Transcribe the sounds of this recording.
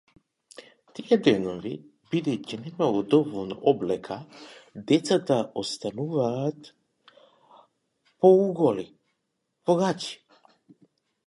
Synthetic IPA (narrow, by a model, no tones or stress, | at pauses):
t̪iɛd̪ɛnɔvi | bid̪ɛjcinɛmalˠɔd̪ɔvɔlˠnɔ̰ʔɔblɛkʰad̪ɛt̪sat̪aʔɔst̪anuvaːt̪ | pɔuɡɔli | vɔɡaci̥